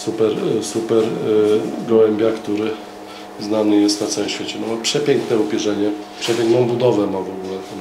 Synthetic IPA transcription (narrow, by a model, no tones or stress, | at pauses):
supɛɾsupɛɾ | ɡɔwɛmbʲjakt̪uɾɘ | znanɘjɛst̪nat̪sawɛmɕfʲet͡ɕɛnɔmapʂɛpʲjɛŋknɛupʲɛʐɛɲɛpʂɛpʲɛŋknɔ̃w̃bud̪ɔvɛmavɔɡulɛt̪ɛ